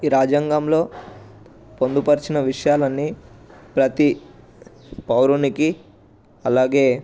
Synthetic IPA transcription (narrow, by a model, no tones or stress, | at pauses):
iːɾaːd͡ʒaŋɡamlo̞ː | po̞nd̪upɐɾit͡ʃinɐʋiʂɐjaːlɐnːipɾɐt̪i | pɐwɾuniki | ɐlaːɡe̞ː